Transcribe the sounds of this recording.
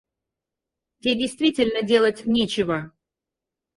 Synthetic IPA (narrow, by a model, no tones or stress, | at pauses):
tʲedʲɪjst̪vʲitʲɪlʲnədʲe̞lˠətʲnʲet͡ɕɪvə